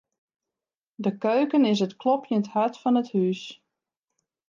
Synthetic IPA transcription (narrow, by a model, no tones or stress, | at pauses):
dəkøːkənɪs̬ətklɔpjənthœtfɑnəthys